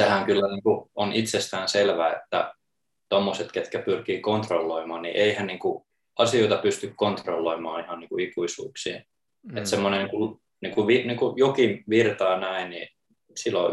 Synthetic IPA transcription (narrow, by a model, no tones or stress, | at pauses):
sehæŋkylːæniːŋkuonʔit̪sest̪æːnselʋæːḛt̪ːæ̰ | t̪omːoset̪ket̪kæpyrkiːkont̪rolːoimɑːnnḭʔeihænniːŋku | ɑsioit̪ɑpyst̪ykkont̪rolːoimɑːihɑnniːŋkuikuisṵːksḭː | et̪semːonekul | niːŋkuʋiniːŋkujokiʋirt̪ɑːnæinnḭ | silːo